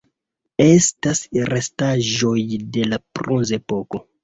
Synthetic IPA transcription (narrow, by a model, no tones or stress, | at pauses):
estasrestaʒojdelapɾunzepoko